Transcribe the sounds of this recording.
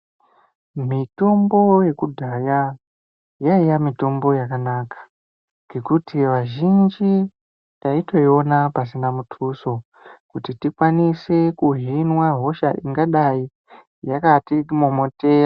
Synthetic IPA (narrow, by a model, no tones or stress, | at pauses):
mito̞mbo̞je̞kudʱaja | jaijamito̞mbo̞jakanaːkḁ | ŋɡe̞kutʰiʋaʒind͡ʒi | jaito̞io̞napasinamutʰuso̞ | kutitikwanisekuɦinwaɦo̞ʃaʔiŋɡaɗai | jakatiimomoteɾa